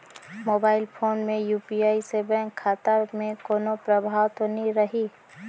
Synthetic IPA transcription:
moːbaːɪlpʰoːnmẽjuːpiaːisebɛ̃kʰːaːt̪əɾmẽkoːnopɾəbʱaːwt̪oniɾəɦiː

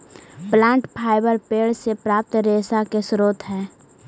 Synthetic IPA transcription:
plãːɳʈpʰaːɪbəɾpeːɽsepɾaːp̚t̪ɾeːsakesɾoːt̪ɦɛː

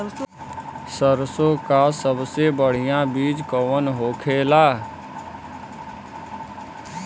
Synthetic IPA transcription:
səɾsõːkasəbsebəɽ̤ɪjãːbiːd͡ʒkəʋənɦoːkʰeːlaː

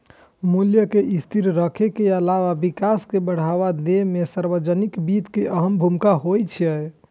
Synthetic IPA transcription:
muljəkeʔist̪ʰiɾɾəkʰekeəlaʋabikaskebəɽ̤aʋad̪emesaɾbəd͡ʒənikbit̪keʔəɦəmbʱumkaɦojt͡ʃʰəj

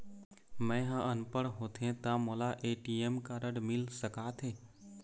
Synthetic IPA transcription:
mɛ̃ɦə̃ʔənpəɽɦot̪ʰẽt̪ãmolaʔeːʈiemkaɾəɖmɪlsəkaːt̪ʰɦeː

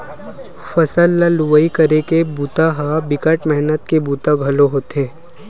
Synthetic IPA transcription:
fɐsəlːaluʋəikəɾekebuːt̪aɦabɪkəʈmɛɦnət̪kebuːt̪aɡʱɐloɦoːt̪ẽː

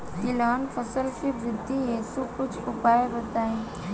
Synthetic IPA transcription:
t̪ɪlaːnfʰəsəlkiʋɾɪd̪ʱːiesubkʊt͡ʃʰʊpaːjebɐt̪aːẽː

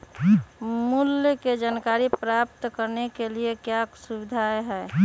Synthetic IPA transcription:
muljked͡ʒankaːɾipɾap̚t̪kəɾnekeliekjasubɪd̪ʱaeɦɛː

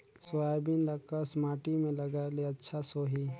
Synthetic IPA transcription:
sʊaːjbinlɐkəsmaːʈimẽlɐɡaleɐtːʃʰasoːɦi

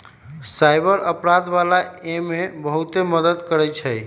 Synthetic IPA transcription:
sajbəɾəpɾad̪balaemebəɦut̪eməd̪əd̪kəɾɛt͡ʃʰəj

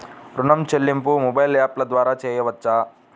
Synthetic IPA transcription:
ɾunɐmt͡ɕɐlːimpumobajljaplɐd̪ʋaːɾat͡ɕejɐʋɐt̪ːt͡ʃa

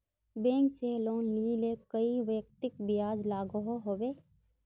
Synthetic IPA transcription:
bẽːŋkseloːnliːlekəiʋjək̚t̪ɪkbɪjaːd͡ʒlaːɡɦoɦoːbeː

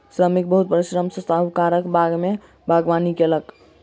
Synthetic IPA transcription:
sɾəmik̚bəɦut̪̚pɾisɾəmsə̃st̪aɦukaɾəkbaɡme | bʱaɡʋanikelək

